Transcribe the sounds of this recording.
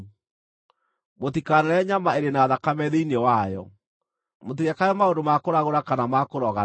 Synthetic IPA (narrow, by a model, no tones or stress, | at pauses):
mot̪ikanɛɾɛɲamaeɾenaːðakamɛðeinewajɔ̰ | mot̪̬iɾakajɔmaondomakoɾaɣoɾakanamakoɾɔɣa